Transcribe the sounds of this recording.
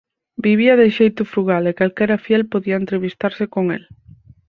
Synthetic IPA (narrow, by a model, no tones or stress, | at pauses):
biβ̞iɐðɪʃejt̪ʊfɾuɣalekalkɛɾɐfjɛlpoðiɐent̪ɾeβist̪aɾsɪkoŋel